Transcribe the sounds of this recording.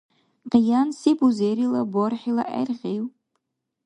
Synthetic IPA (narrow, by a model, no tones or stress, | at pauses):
qʲʼjansibuzejɾilaborħila̰ʔa̰jrʁʲejw